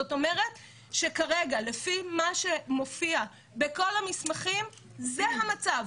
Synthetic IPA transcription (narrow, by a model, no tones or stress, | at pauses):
oto̞me̞ʁet | ʃe̞kaʁeɡalefimaʃe̞mofia | beko̞lamismaχim | zeɦamat͡sav